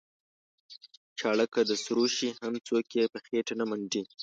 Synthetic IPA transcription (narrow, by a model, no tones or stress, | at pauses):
t͡ʃɑɽəkad̪əsɾoʃihamt͡sokjepəxeʈanamaɳɖi